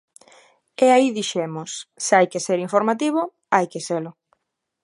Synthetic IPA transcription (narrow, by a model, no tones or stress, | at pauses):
eaiðiʃemʊsːeajkeseɾiɱfoɾmat̪iβ̞ʊ | ajkeselʊ